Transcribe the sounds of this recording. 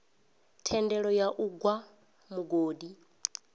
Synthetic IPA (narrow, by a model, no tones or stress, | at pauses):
tʰɛndɛɺɔjaʔuɡwa | muɡoːdi